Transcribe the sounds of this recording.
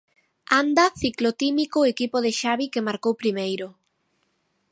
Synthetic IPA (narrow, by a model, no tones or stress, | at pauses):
and̪aθiklot̪imikoekipoð̞eʃaβikemaɾkowpɾimejɾo